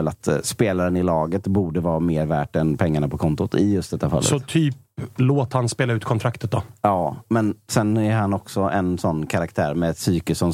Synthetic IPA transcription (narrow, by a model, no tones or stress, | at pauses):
ɛlat̪speːlaɾənɪlɑːɡət̪buːɖəvɑːmeːɾvæːʈɛnpʰɛŋːaɳapɔkʰɔnt̪ʊt̪ʰɪjɵst̪d̪ɛt̪ːafa̰lːə̰sɔt̪ʰyːp | loːt̪hanspeːlaʉ̟ːt̪̚kʰɔnt̪ɾakt̪ət̪̚d̪ɔɑːmɛnsɛnːæɾhanɔksɔʔɛnsɔnːkʰaɾakt̪ʰæːɾmɛɛsyːkəsɔm